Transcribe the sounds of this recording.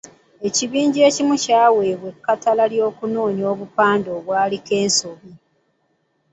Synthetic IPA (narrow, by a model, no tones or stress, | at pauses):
e̞ciβiːɲɟie̞ːcimucaːwe̞ːβwekːatalaljo̞ːkunoːɲio̞ːβupaːndo̞ːβwaːlike̞ːnsoβi